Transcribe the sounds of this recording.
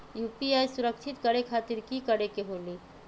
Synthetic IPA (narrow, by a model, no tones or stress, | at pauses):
juːpiaːjsʊɾəkt͡ʃʰɪt̪kəɽekʰaːt̪ɪɾkikəɽekeɦoːliː